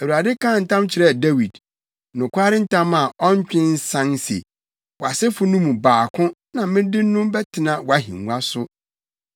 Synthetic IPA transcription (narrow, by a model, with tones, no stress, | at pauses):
æ˨u˨a˨dɪ˦kã˦˨n̩˨tʰã˦mt͡ɕʰɪ˨ɾɛ˦˨de˦wi˨d | nʊ̃˨kʰʷaː˦ɾɪ˦n̩˦tʰã˦ma˨ɔ˦ɲ˦t͡ɕᶣɪ̃˦n̩˦sã˦nsḛ˨ | wɔ˨a˨sɛ˦fʊ˦nũ˦mũ˨baː˨kʰʊ̃˦nã˨mɪ̃˦dɪ˦nʊ̃˦mbɛ˦tʰɪ˨nã˨wɔ˨a˦ɦḭ̃˨ŋu˦a˦sʊ˦